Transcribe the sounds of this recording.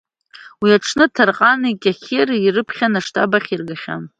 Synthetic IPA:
wiaʈ͡ʂʰnɨtʰarqʼanikʲʼaχʲerirɨpʰχʲanaʂtʰabaχʲirɡaχʲa̰m

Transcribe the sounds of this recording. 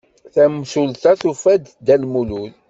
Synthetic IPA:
θæmsult̪ɑθufæd̪d̪ælmulul

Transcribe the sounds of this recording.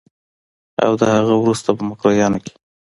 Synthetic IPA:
a̰wd̪əhaɣəwɾust̪apəmʊkɾɑjɑnoke̥

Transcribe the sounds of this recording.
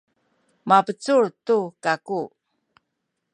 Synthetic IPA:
mapət͡suɭtukaku

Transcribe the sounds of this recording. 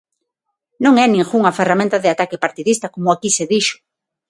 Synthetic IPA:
nõŋɛnĩŋxuŋɐferamẽnt̪aðɪat̪akɪpaɾt̪iðist̪akomʊakiseðiʃʊ̥

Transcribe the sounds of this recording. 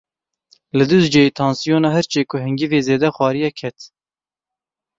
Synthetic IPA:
lɨd̪uzd͡ʒɛjiːt̪ʰɑːnsijoːnɑːɦɛɾt͡ʃʰeːkʰʊhɨŋɡiveːzeːd̪ɛxwɑːɾijɛkʰɛt̪

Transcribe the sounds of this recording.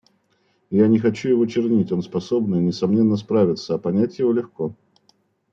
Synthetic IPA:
janʲɪxɐt͡ɕujɪvot͡ɕɪrnʲitʲo̞nspɐso̞bnɨnʲɪsɐmnʲe̞nːəs̬pɾavʲɪt̪səɐpɐnʲætʲjɪvolʲɪxko̞

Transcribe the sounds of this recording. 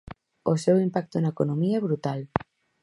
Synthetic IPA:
osewimpak̚t̪onɐekonõmiɐɛβɾut̪al

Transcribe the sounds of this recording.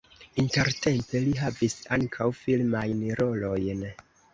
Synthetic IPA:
inte̞ɾte̞mpe̞liɦavisaŋkʰawfilmajnɾo̞lo̞jn

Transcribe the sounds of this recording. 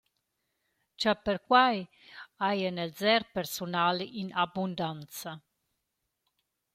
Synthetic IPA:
t͡ʃapəɾkwaj | ajənɛlzɛɾpɛɾsunalinabund̪ant̪t͡sa

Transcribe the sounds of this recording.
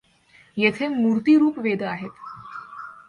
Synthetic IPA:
jet̪ʰemuɾt̪iɾuːpʋed̪əaɦet̪

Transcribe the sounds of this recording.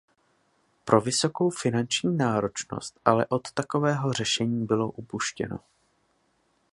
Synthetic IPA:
pɾʔo̞vɪso̞ko̞wfɪnant͡ʃɲiːnaːɾo̞t͡ʃno̞̰st̪ʔalɛ̰ʔo̞t̪ːako̞vɛːɦo̞r̝ɛʃɛɲiːbɪlo̞ʔupuʃcɛ̰no̞̰

